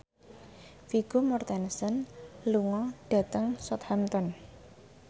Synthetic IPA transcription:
fiɡ̥omɔrt̪ɛnsənluŋɔɖ̥a̤t̪əŋsɔt̪hamt̪ɔn

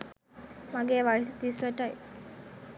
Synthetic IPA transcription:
maɡeʋaɭst̪isəʈaj

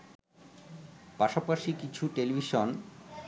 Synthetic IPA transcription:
paʃapaʃikit͡ɕʰuʈelibʱiʃon

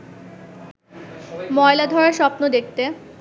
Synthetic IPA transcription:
mɔelad̪ʱɔɾaɾʃɔpnod̪ek̚t̪e

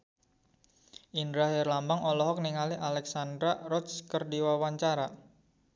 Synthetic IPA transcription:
ʔindɾaɦɛrlambaŋɔlɔɦɔk̚niŋaliʔalɛksand̪ɾarɔt̪skərdiwawaɲt͡ʃaɾa

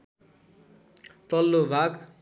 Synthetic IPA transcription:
t̪ʌlːobʱak

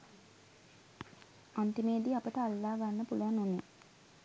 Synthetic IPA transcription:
ant̪imeːd̪iapət̪əalːaːɡanːəpuluʋanune

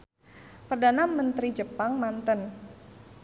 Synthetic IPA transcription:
pərdanamənt̪ɾid͡ʒəpaŋmant̪ən

